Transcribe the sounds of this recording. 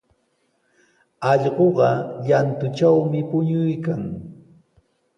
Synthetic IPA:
ɑʎɢoɢɑʎant̪ʊt͡ʃawmɪpʊɲʊjkaŋ

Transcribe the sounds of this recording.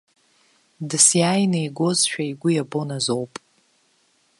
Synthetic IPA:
dɨsjaːjnejɡo̞zʃᶣaiɡʷʊjabo̞nazo̞wpʼ

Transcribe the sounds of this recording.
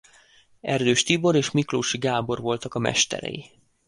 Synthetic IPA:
ɛrd̪øːʃt̪ibo̞ɾeːʃmikroːʃiɡaːbo̞rvo̞lt̪ɒkɒmɛ̰ʃt̪ɛ̰ɾɛ̰ji

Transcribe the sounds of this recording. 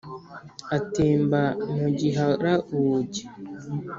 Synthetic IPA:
atiːmbanuɟiɦaɾauːɟi

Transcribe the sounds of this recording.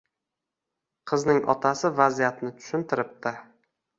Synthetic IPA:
qʰɨznɪŋʔɒ̰t̪ʰasɪvazijat̪nɪt̪ʰʊ̥ʃɪnt̪ʰɪɾɪp̚t̪ɪ

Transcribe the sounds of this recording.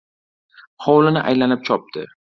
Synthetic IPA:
hɒwlɪnɪʔajlanɪp̚t͡ʃʰɒp̚d̪ʰɪ̰

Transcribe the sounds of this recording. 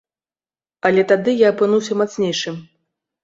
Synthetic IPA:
ɐlʲɛt̪ad̪ɨjaːpɨnuwsʲɐmat̪snʲejʂɨm

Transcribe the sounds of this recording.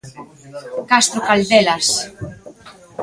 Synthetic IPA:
kast̪ɾokald̪elas

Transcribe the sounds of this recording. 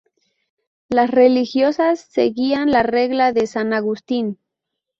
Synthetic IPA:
lasrelixjosasːḛɣianlareɣlaðesanaɣust̪in

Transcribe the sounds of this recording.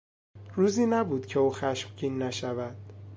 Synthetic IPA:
ruːziːnæbuːd̪cʰeuːxæʃmciːnːæʃævæd̪̥̚

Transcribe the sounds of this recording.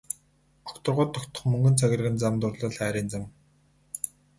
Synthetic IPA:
ɔ̥kt̪ə̆rʁʊːt̪ʰːɔkt̪ɞ̆χmɵŋɡɵ̆nt͡sʰaɣʲɪ̆rɣɘ̆nt͡samt̪ʊrɮə̆ːɮχæːɾʲiːnt͡sam

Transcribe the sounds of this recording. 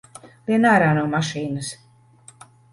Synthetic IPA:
vʲiɛnaːɾaːnuwmaʃiːnɨs

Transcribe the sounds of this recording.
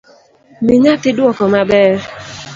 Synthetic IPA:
mɪɲakɪdwɔkɔmabɛɾ

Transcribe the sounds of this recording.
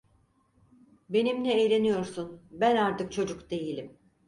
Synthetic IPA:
be̞nimnʲɛːjlʲe̞nijo̞ɾsunbænaɾt̪ɯk̚t͡ʃʰo̞d͡ʒukd̪e̞jilʲim

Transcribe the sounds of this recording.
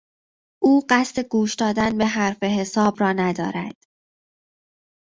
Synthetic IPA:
ʔuːɢæst̪e̞ɡuːʃd̪ɒːd̪ænbe̞ɦæɾfe̞ɦe̞sɒːbɾɒːnæd̪ɒ̰ːɾæd̪̥

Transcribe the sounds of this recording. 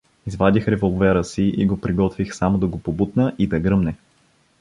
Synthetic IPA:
izvad̪ʲixɾɛvolˠvɛɾəsiʔḭɡopɾiɡɔt̪vixsamod̪ɐɡopobut̪nəʔid̪ɐɡɾɤmnɛ

